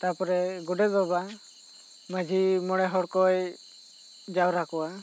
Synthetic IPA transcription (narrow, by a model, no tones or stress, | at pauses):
t̪apɔɾɛɡɔɖɛbɔba | məd͡ʒimɔɽ̃ɛɦɔɽkɔj | d͡ʒawɾakɔwa